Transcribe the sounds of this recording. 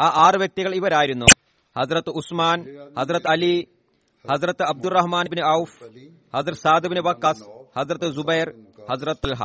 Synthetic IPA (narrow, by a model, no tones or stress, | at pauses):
aːʔaːrɨʋjɐk̚t̪iɣɐɭiʋɐɾaːjiɾunːṵ | hɐzɾɐt̪ːɨusmaːnhɐzrɐt̪ːɨɐli | hɐzɾɐt̪ːɨɐb̚d̪urːɐɦmaːnbnɨɐuf | hɐzɾɐt̪saːd̪ɨbinɨʋɐkːɐshɐzrɐt̪ːɨzubɐjrhɐzɾɐt̪ːɐlɦa̰